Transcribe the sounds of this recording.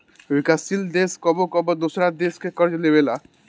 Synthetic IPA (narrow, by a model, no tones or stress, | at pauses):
ojkasild̪eskɔbokɔbod̪osɾad̪eskekɔɾd͡ʒɔlebela